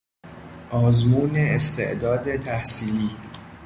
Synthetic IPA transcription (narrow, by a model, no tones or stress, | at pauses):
ʔɒːzmuːneest̪ʰe̞̰ʔd̪ɒːd̪e̞t̪ʰæhsiːliː